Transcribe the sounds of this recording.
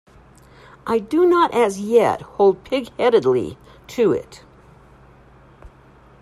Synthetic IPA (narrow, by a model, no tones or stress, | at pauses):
ʔaɪdɨnəɾʔɨzjɛ̰t̚hoʊlˠd̚pʰɪɡhɛɾɨdˡlḭ | tʰɨɪ̰t